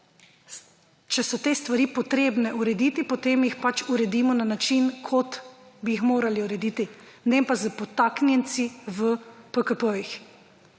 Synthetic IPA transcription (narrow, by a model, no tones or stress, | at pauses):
t͡ʃɛsɔt̪eːst̪ʋaɾiːpɔt̪ɾeːbnɛʔuɾɛd̪it̪ipot̪eːmjixpat͡ʃuɾɛd̪iːmɔnanat͡ʃinkʰot̪biixmoːɾaliuɾɛd̪iːt̪inɛmpazəpɔt̪aːknjɛnt̪siʋəpəkəpəjix